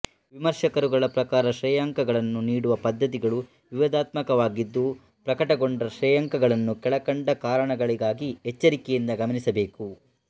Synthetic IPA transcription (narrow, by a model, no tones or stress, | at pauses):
ʋimɐɾʃɐkɐɾuɡɐɭɐpɾɐkaːɾɐʃɾɛjaːŋkɐɡɐɭɐnːuniːɽuʋɐpɐd̪ːɐt̪̬iɡɐɭu | ʋiʋɐd̪aːt̪mɐkɐʋaːɡid̪ːu | pɾɐkɐʈɐɡo̞ɳɖɐʃɾɛjaŋkɐɡɐɭɐnːukɛɭɐkɐɳɖɐkaːɾɐɳɐɡɐɭiɡaːɡiɛt͡ʃːɐɾikɛjind̪ɐɡɐmɐnisɐbe̞ːku